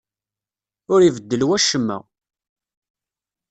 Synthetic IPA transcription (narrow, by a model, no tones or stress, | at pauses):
ʊɾivəd̪ːəlwæʃəmːæ̰